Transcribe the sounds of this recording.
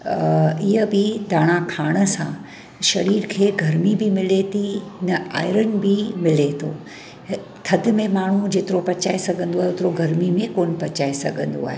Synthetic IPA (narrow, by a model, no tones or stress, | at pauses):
ɪɦəbɪd̪aːɽ̃akʰaːɽ̃ə̆sã | ʃɐɾiːɾkʰeːɡʱɐɾmibɪmɪlet̪ʰinɐa̰ːɪɾənɪ̆bɪmɪlet̪ʰo | t̪ʰɐd̪̆mẽmaːɳ̤ud͡ʑeːt̪ɪɾopɐt͡ɕaːesɐɡʱə̃nd̪oaːɦeʊt̪ɪɾoɡʱɐɾmimẽkoːn̆pɐt͡ɕaːesɐ̰ɡʱə̃nd̪o̰a̰ːɦe